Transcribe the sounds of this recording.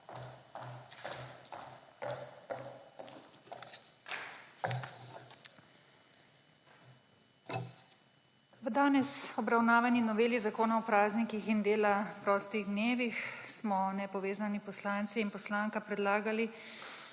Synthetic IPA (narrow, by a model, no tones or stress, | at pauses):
ʋəd̪aːnɛsɔbɾawnaːʋaninɔʋeːlizakoːnaɔpɾaːznikixind̪eːlapɾɔːst̪iɣd̪neːʋixsmɔnɛpɔʋeːzanipɔslaːnt̪siːnpɔslaːŋkapɾɛd̪laːɡali